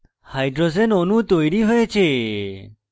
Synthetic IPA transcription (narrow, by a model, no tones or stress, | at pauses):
hajɖɾod͡ʒenonut̪ojɾiɦojet͡ʃʰe